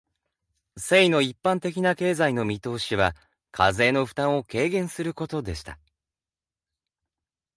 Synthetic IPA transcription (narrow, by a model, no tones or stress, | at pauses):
se̞ino̞ipːãnt̪e̞kʲinake̞ːzaino̞mʲit̪o̞ːɕiβa | kʰa̰ze̞ːno̞ɸɯ̥t̪ãɰ̃o̞ke̞ːɡẽ̞ɰ̃sɨɾɯ̟ko̞t̪o̞d̪e̞ɕi̥t̪a